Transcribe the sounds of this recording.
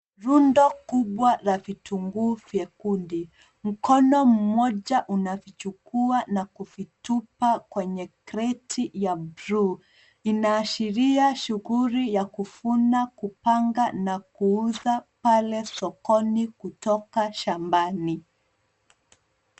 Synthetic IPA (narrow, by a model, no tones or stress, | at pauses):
ɾundɔkuɓwaɾavituŋɡuvjɛkundi | m̩kɔnɔm̩mɔʄaʔunavit͡ʃukuanakuvitupakwɛɲɛkɾɛtʰijabɾu | inaːʃiɾiaʃuɣuɾijakufunakupaŋɡanakuuzapalɛsɔkɔnikutɔkaʃambani